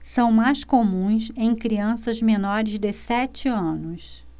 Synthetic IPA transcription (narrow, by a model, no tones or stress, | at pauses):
sɐ̃w̃majskomũsẽj̃kɾiɐ̃sɐzmenɔɾɪzd̪ɪsɛt͡ʃɪɐ̃nʊs